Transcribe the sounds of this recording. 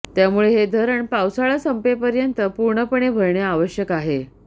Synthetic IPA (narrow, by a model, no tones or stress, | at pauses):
t̪jamuɭeɦed̪ʱəɾəɳpawsaɭasəmpepəɾjənt̪əpuɾɳəpəɳebʱəɾɳjaːʋəɕjəkaɦe